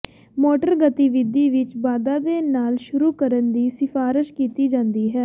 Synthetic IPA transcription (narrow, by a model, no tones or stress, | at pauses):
moːʈəɾɡət̪iʋɪd̪iːʋɪt͡ʃbaːd̪aːd̪eːnaːlʃʊɾuːkəɾənd̪iːsɪfaːɾɪʃkiːt̪iːd͡ʒãːnd̪iːɦɛː